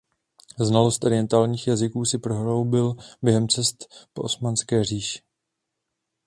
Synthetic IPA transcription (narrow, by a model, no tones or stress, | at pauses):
znalo̞st̪ʔoɾɪjɛnt̪aːlɲiːxjazɪkuːsɪpɾo̞ɦlowbɪlbjɛɦɛmt͡sɛst̪poʔosmanskɛːr̝iːʃɪ̥